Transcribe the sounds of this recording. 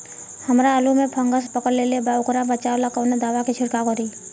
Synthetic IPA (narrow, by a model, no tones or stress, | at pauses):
həmɾaəlumẽpʰəŋɡəspəkəɾlelebaʊkɾabət͡ʃalakəʋned̪aːʋakit͡ʃʰʊɽkakɔɾi